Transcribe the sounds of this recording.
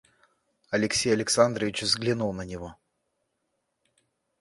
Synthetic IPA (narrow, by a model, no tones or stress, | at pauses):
ɐlʲɪksʲejɐlʲɪksand̪ɾəvʲɪt͡ɕvzɡlʲɪnulˠnənʲɪvo